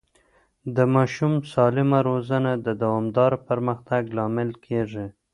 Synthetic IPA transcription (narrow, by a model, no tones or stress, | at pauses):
d̪əmɑʃumsɑlɪmaɾozanad̪əd̪awɑmd̪ɑɾpəɾməxt̪aɡlɑmɪlkʰeʐi